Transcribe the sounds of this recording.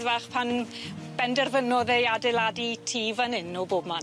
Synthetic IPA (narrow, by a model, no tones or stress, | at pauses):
ðvaːχpʰan | b̥ɛndɛrvənɔðejadɛlˠaditʰiːvanɪnːɔboːbma